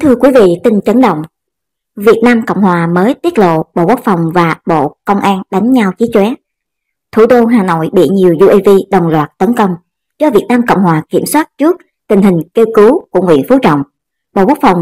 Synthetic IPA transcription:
t̪ʰɨ˧əkwi˨˦vḭ˧˨t̪ï˧ŋ̟t͡ɕə˨˦nɗə̰˧˨wŋ͡m | vi˨˩ət̚naː˧mkə̰˧˨wŋ͡mhwaː˨˩məː˨˦jt̪i˦˥ət̚lo̰˧˨ɓo̰˧˨ko˦˥k̚fa˨˩wŋ͡mvaː˨˩ɓo̰˧˨kə˧wŋ͡mʔaː˧nɗa˨˦jŋ̟ɲa˧wt͡ɕi˨˦t͡ɕwɛ˨˦ | t̪ʰu˧˩t̪o˧ɦaː˨˩no̰˧˨jɓḭ˧˨ɲi˨˩əwzu˧ʔi˧vi˧ɗə˨˩wŋ͡mlwaː˨˩t̚t̪ə˨˦nkə˧wŋ͡m | t͡ɕɔ˧vi˨˩ət̚naː˧mkə̰˧˨wŋ͡mhwaː˨˩ki˧˩əmswaː˦˥t̚t͡ɕɨ˦˥ək̚ | t̪ï˨˩ŋ̟ɦï˨˩ŋ̟ke˧wkɨ˨˦ku˧˩əŋwḭ˧˨ənfu˨˦t͡ɕɔ̰˧˨wŋ͡m | ɓo̰˧˨ku˦˥k̚fa˨˩wŋ͡m

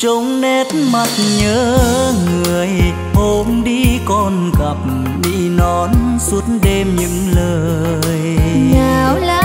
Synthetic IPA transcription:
t͡ɕo˨˦wŋ͡mne˧˦˥tma˨˩t̚ɲəː˧˨˦ŋɨ˨˩əj | ho˨˧˦mɗi˧kɔ˧nkə˨˩p̚ | ɗḭ˧˥nɔ˨˦nsu˦˥ət̚nɗe˧mɲɨ̰˧˥ŋləː˧˩ja˨˧la˧˦

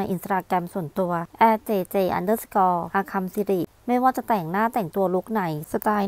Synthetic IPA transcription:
a˧jʔi˧nt̪aː˧kɾɛ˧msu˨˩ənt̪u˧ɐʔɛː˧˥t͡ɕeː˧t͡ɕeː˧ʔa̰˧ndəː˥˩skɔː˧ʔaː˧kʰa˧msi˧ɾi˨˩ʔ | ma˥˩jwaː˥˩t͡ɕa˨˩t̪ɛ˨˩ŋnaː˥˩t̪ɛ˨˩ŋt̪u˧ɐlu˦˥k̚na˩˦jsa˧˩t̪aː˧j

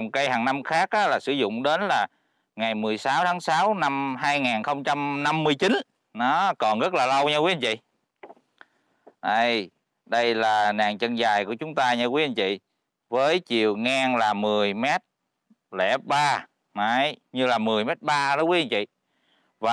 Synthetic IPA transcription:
wŋ͡mkaː˨˦jhɦaː˨˩ŋna˧mxaː˦˥k̚ʔaː˨˦laː˨˩sɨ˧˦zʊ̰˧˨ŋ͡mɗe˨˦nlaː˨˩ | ŋa˨˩jmɨ˨˩əjsaː˨˦wt̪ʰaː˨˦ŋsaː˨˦wna˧mɦaː˧jŋaː˨˩nxə˧wŋ͡mt͡ɕa˧mna˧mːɨ˧əjt͡ɕi˨˦n | nɔ˨˦kɔ˨˩nɣə˦˥t̚laː˨˩lə˧wɲa˧kwi˨˦ʔə˧nt͡ɕḭ˧˨ | ʔə˧j | ɗə˧jlaː˨˩naː˨˩ŋt͡ɕə˧nzaː˨˩jku˧˩ət͡ɕʊ˨˦ŋ͡mt̪aː˧ɲa˧kwi˨˦ʔə˧nt͡ɕḭ˧˨ | vəː˨˦jt͡ɕi˧˨əwŋaː˧ŋlaː˨˩mɨ˨˩əjmɛ˦˥t̚ | lɛ̰˧˩t̚ɓaː˧ | na˨˧˦jɲɨ˧laː˨˩mɨ˨˩əjmɛ˦˥t̚ɓaː˧ɗɔ˧˦kwi˨˦ʔə˧nt͡ɕḭ˧˨ | vaː˨

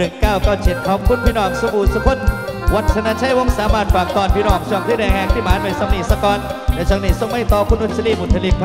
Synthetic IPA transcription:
ɯ˨˩ŋkaː˥˩wkaː˧˥˩t͡ɕʰi˨˩t̪̚pʰɔː˧˥mkʰu˧˥˩npʰiː˧nɔː˨˩k̚su˧muː˨˩nsu˧pʰo˦˥˩t̪̚wa˨˦˩t̪̚t͡ɕʰa˧na˧nt͡ɕʰa˦˥˩jwo˧˥˨ŋsaː˨˦maː˧nfaː˨˩k̚t̪ɔː˨˩npʰiː˧nɔː˨˩k̚t͡ɕʰɔ˨˧˩ŋt̪ʰiː˥˩ɛː˧ŋhɛː˧ŋt̪ʰiː˥˩maː˨˦nuː˧˩jsa˨˧˦mni˨˩sa˧kɔː˧nlɛː˨˩t͡ɕʰa˧ŋniː˨˩so˧˩ŋma˥˩jt̪ɔː˧kʰu˧˥˩nʔo˧˩n̚t͡ɕʰa˧liː˧˥˩bu˨˩t̪ʰːa˧li˧k̚pʰa˧

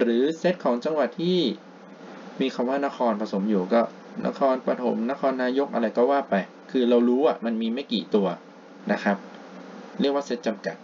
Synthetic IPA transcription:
ɾɯː˩˦se˦˥t̪̚kʰɔː˩˦ŋt͡ɕa˧ŋwa˨˩t̪ʰːiː˥˩ | miː˧kʰa˧mwaː˥˩na˦˥kʰɔː˧npʰa˧so˩˦mjuː˨˩kɔː˥˩ | nʔa̰˦˥kʰɔː˧npa˧t̪ʰo˩˦mna˦˥kʰɔː˧nːaː˧jo˦˥k̚ʔa˧ɾa˧jkɔː˥˩waː˥˩pa˧j | kʰɯː˧ɾa˧wɾuː˦˥ʔa˨˩ma˧nmiː˧ma˥˩jkḭː˨˩t̪u˧ɐ | na˦˥kʰa˦˥p̚ | ɾi˥˩ək̚waː˥˩se˦˥t̪̚t͡ɕa˧mka̰˨˩t̪̚

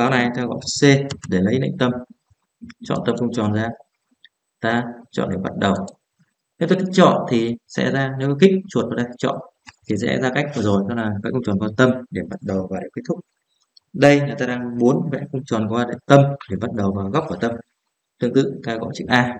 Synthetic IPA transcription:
ɓaː˨˦wna˨˩jt̪aː˧ɣɔ̰˧˨se˧ɗe˧˩lə˨˦jnə̰˧˨ŋ̟t̪ə˧m | t͡ɕɔ̰˧˨nt̪ə˧mxə˧ŋ͡mt͡ɕɔ˨˩nzaː˧ | t̪aː˧t͡ɕɔ̰˧˨nɗe˧˩ɓa˦˥t̚ɗə˨˩w | ne˨˦t̪o˧jka˦˥k̚t͡ɕɔ̰˧˨nt̪ʰi˨˩sɛ̰˧˥zaː˧ne˨˦wkï˦˥k̚t͡ɕu˨˩ət̚mə˨˩t̪aː˧k̪ʰi̥˦˥t͡ɕɔ̰˧˨n | t̪ʰi˨˩sɛ̰˧˥zaː˧ka˦˥k̚vəː˨˩zo˨˩jt͡ɕɔ˧laː˨˩vɛ̰˧˥kxʊ˧ŋ͡mt͡ɕɔ˨˩nkwa˧t̪ə˧mɗe˧˩ɓa˦˥t̚ɗə˨˩wvaː˨˩wɗe˧˩k̚t̪ʰʊ˦˥k͡p̚ | ɗə˧jlaː˨˩t̪aː˧aː˧ŋmu˨˦ənvɛ̰˧˥xʊ˧wŋ͡mt͡ɕɔ˨˩nkwaː˧nə̰˧˨t̪ə˧mɗe˧˩mɓa˦˥t̚ɗə˨˩wvaː˨˩ɣa˦˥p̚ku˧˩t̪ə˧m | t̪ɨ˧əŋt̪ɨ̰˧˨t̪aː˧ɣɔ̰˧˨t͡ɕɨ̰˦˧˥ʔ̚aː˧

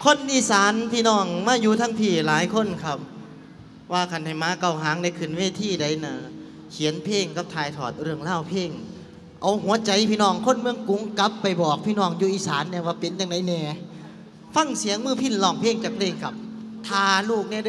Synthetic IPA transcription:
kʰo˧˥˨nʔiː˧˥saː˨˦npʰiː˧˨nɔː˧˩ŋmaː˧˥˨juː˧t̪ʰaː˧˥˨ŋp̪ʰiː˧˩laː˨˦jkʰo˧˥˨nkʰa˧˩p̚ | waː˧kʰa˧˩˨nha˨˩jmaː˧˥˨ka˧˩wɦaː˨˦ŋda˧˩jkʰɯ˨˩nweː˧˥˨t̪ʰiː˧˩da˧˩jnɤː˨˩˦ | kʰi˨˦ənpʰeː˧˩ŋka˧˦p̚t̪ʰaː˧jt̪ʰɔː˨˩t̪̚ɾɯ˧˩əŋlaː˧˥˨wpʰeː˧˥˩ŋ | ʔa˨˧˦wɦu˨˦ɐt͡ɕa˨˧˦jpʰiː˧nɔː˧˩ŋkʰo˧˥˨nmɯ˧əŋku˨˦ŋka˧˦˥pːa˨˩jbɔː˨˩k̚pʰiː˧˨nɔː˧˩ŋjuː˧ʔiː˧saː˨˦nːɛː˧˩waː˧˩pe˨˦njaː˧˩ŋda˨˦jnɛː˧˩ | fa˧˥˨ŋsi˨˦əŋmɯː˧˩pʰi˧˩˨nlɔː˧˩ŋpʰeː˧˩˨ŋt͡ɕaː˨˧˩kpʰleː˧˩ŋkʰa˧p̚t̪ʰaː˧luː˧˩k̚nɛː˧˩˧

